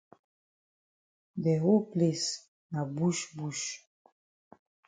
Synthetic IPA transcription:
d̪ɛ˨ɦu˦kli˨s | na˨bu˦ʃbu˦ʃ

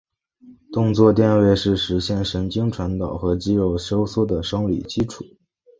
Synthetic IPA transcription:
t̪ʊ˥˧ŋt͡swɔ˥˧t̪jɛ˥˧nwe˥˧ɪʂɻ̩˥˩ʂɻ̩˧˥ɕjɛ˥˩nʂə˧˥nt͡ɕi˥ŋʈ͡ʂʰwa˧˥nt̪ɑ˨˩ʊxɤ˧˥t͡ɕi˥ɻo˥˩ʊɕjo˥ʊsɔ˥˩d̪ə˩ʂɤ˥ŋlḭ˨˩t͡ɕi˥ʈ͡ʂʰu̥˨˩˦

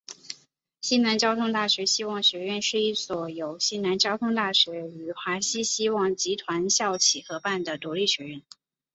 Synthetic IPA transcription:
ɕi˥na˧˥nt͡ɕjɑ˥ʊt̪ʰʊ˥ŋt̪a˥˩ɕɥɛ˧˥ɕi˥wɑ˥˩ŋɕɥɛ˧˥ɥɛ˥˧nʂɻ̩˥˧i˥˩swɔ˨˩jo˨˩ʊɕi˥na˧˥nt͡ɕjɑ˥ʊt̪ʰʊ˥ŋt̪a˥˩ɕɥɛ˧˥y˨˩xwa˧˥ɕi˥ɕi˥wɑ˥˩ŋt͡ɕi˧˥t̪ʰwa˧˥nɕjɑ˥˩ʊt͡ɕʰi˨˩xɤ˧˥pa˥˩nd̪ə˩t̪u˧˥li˥˩ɕɥɛ˧˥ɻə˥˩n

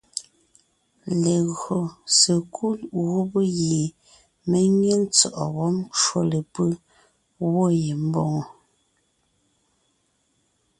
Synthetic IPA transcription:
le˨ɣɰo˨se˨kʰu˦lɣu˦bə˦ɣe˨ | me˦ɲje˦n̩˦t͡sɔ˨ʔɔ˨wɔ˦mt͡ʃwo˦le˨pə˦ | wo˦je˨m̩˦bɔ˦˨ŋɔ˨

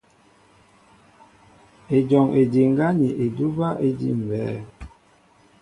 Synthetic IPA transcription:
e˨d͡ʒɔ˨ŋe˨di˨ŋ˦ɡa˦ni˨ʔe˨du˦ba˦ʔe˦dḭ˦m̩˨bɛː˨˦

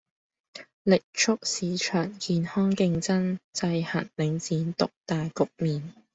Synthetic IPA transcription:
lɪ˨k̚t͡ʃʰʊ˥k̚siː˨˥t͡ʃʰœː˨˩ŋkiː˨nhɔː˥ŋkɪ˧ŋt͡sɐ˥nt͡sɐ˧jhɐ˨˩nlɪ˨˧˥ŋt͡siː˨˥nt̪ʊ˨k̚t̪aː˨jkʊ˨k̚miː˨n

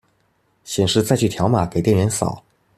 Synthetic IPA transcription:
ɕjɛ˨˩nʂɻ̩˥˧t͡sa˥˧ɪt͡ɕʰy˥˩t̪ʰjɑ˧˥ʊma˨˩˦ke˨˩ɪt̪jɛ˥˩nɥɛ˧˥nsɑ̰˨˩˦ʊ

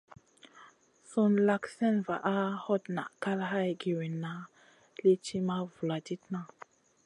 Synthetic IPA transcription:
su˦nla˦ksɛ˦nva˨ʔa˦hɔ˦tna̰˨ʔka˦lɦa˦jɡi˨wi˨na˦ | li˦t͡ʃi˦ma˦vu˨la˨ti˦tna˦

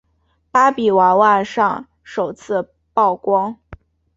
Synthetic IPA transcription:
pa˥pi˨˩wa˧˥wa˥˧ʂɑ˥˩ŋ | ʂo˨˩ʊt͡sʰɹ̩˥˧ | pɑ˥˩ʊkwɑ˥ŋ

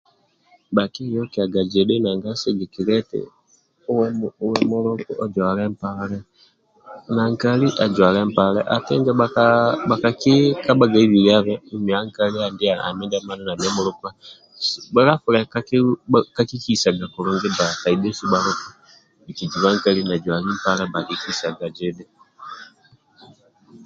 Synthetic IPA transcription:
ba˨ki˦jɔ˦ki˨a˨ɡa˨d͡ʒɛ˨de˦na˨ŋɡa˦so˦d͡ʒi˨ki˨ɾɛ˦tɛ̰˨ | u˦wɛ˦wɛmu˦ɾo˦ku˦ʔɔ˨d͡ʒwa˨lɛ˦mpalɛ˦ | na˨ŋka˦li˦ʔa˨d͡ʒwa˨lɛ˦mpa˨lɛ˦ʔa˨tɛ˦ŋɡɛ˦aaba˨ka˨ki˦ka˦ba˨ɡa˨i˦βi˨lia˦βɛu˨˦mi˨a˦ŋkali˦a˨ndi˦a˨a̰˨mɛ˦ndɛ˦ma˦nɛ˦na˨ma˦mu˦lu˦ku˦a | sba˦la˦fulɛ˨kaka˦ki˦ki˦sa˨ɡa˨ku˨ɾu˨ŋɡɛ˦ba˨ta˨i˨dɛ˦si˦ba˦ɾu˦ku˦ | i˨ki˨d͡ʒi˨βa˦ŋkali˦na˨d͡ʒwa˨li˦m̩pa˦lɛ˦ba˨ki˦ki˦sa˨ɡa˨d͡ʒɛ˦dɛ

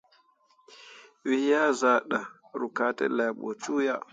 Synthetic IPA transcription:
wi˨hja˦za˨ɗa˨ | ɾu˨ka˨tɛ̰˦la˨ɓo̰˨t͡ʃu˦ja˦

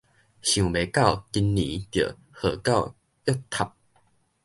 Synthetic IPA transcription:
ɕjũ˨˩be˨˦ka˥˨ʊki˧nːḭ̃˨˦t̪jə̰˨˩˨ | hə˨˩ka˥˧w | jɔ˥˦t̪ʰa˨˩p̚

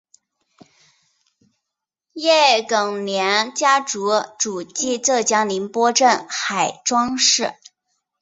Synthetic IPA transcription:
jɛ˥˩kɤ˨˩ŋnjɛ˧˥nt͡ɕja˥ʈ͡ʂu˧˥ʈ͡ʂu˨˩t͡ɕi˥˧t͡sɤ˥˩t͡ɕjɑ˥ŋli˧˥npwɔ˥ʈ͡ʂə˥˩nxa˨˩ɪʈ͡ʂwɑ˥ŋʂɻ̩˥˩

